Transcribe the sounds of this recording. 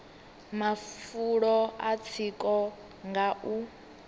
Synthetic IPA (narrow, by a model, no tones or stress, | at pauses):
mafuɺɔat͡sʰikʼɔ | ŋɡaʔu